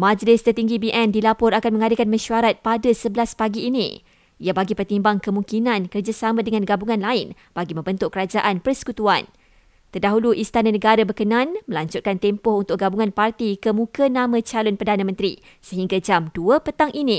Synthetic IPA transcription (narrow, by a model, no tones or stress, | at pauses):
mãd͡ʒlɪst̪ərt̪iŋɡibiʔɛndilapʊɾakanmə̃ŋadəkanmə̃ʃuaɾat̪̚padasəbəlaspaɡiːnḭ̃ | ʔiabaɡipərt̪imbaŋkəmuŋkinãnkərd͡ʒasamãdəŋãnɡabuŋãnlaɪn | b̥aɡimə̃mbənt̪ʊkəɾad͡ʒaʔanpərsə̥kut̪uan | t̪ərdaɦuluʔist̪ananə̃ɡaɾabərkənãnmə̃laɲd͡ʒʊt̪̚kant̪ɛmpʊhunt̪ʊk̚ɡabuŋãnpart̪ikəmũkənãmãt͡ʃalʊnpərdanãmə̃nt̪ɾi | səɦiŋɡad͡ʒamduəpət̪aŋʔinĩ